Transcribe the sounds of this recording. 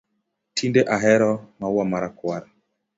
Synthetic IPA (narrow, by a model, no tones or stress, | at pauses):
tʰindeʔaɦɛɾɔmauwamaɾakwaɾa